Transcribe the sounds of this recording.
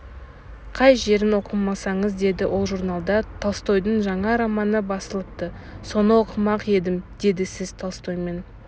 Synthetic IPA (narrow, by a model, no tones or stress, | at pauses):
qʰɑjʒe̞ɾɪnwo̞qəmɑsɑɴəzd̪e̞d̪ɪwʔo̞lˠʒurnɑlˠd̪ɑt̪ʰɑlˠst̪o̞jd̪əɴʒɑɴɑɾɑmɑnəbɑsəlˠəp̚t̪ə | so̞nəwo̞qʰəmɑqe̞d̪ɪmd̪̥e̞d̪ɪsɪz̥t̪ʰɑlˠst̪ʰo̞jme̞n